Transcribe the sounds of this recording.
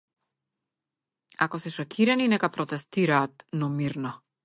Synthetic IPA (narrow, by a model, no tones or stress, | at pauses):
akɔsɛʃɔkʰiɾaninɛkapɾɔt̪ɛst̪iɾaːt̪nɔmiɾnɔ